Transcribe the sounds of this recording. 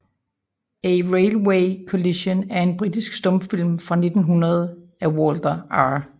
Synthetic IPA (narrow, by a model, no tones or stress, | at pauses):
eʁeɪlweɪkʰoliɕonæɐe̝nb̥ʁid̥isɡ̥sd̥ɔ̽mfil̰mfʁɑ̈ne̝d̥n̩ɦunɐð̞ˠæwɔːld̥ɐɑ